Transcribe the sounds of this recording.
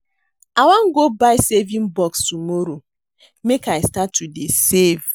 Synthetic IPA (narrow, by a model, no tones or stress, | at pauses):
awãŋɡobaɪsevĩnbɔkstumoɾo | mekaɪstatːudesev